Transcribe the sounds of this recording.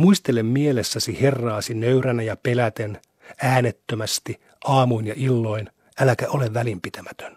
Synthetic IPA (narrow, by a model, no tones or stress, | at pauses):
muist̪elemmielesːæsihe̞rːɑːsinøyɾænæjɑpelæt̪en | æːnet̪ːømæst̪i | ʔɑːmuinjɑʔilːo̞in | ælækæʔoleʋʋælimpit̪æmæt̪ø̥n